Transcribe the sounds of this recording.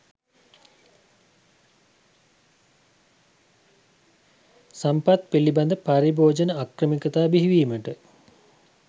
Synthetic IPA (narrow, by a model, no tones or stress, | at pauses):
sampat̪piliband̪əpaɾiboːd͡ʒənəakrəmikət̪aːbiɦiʋiːməʈə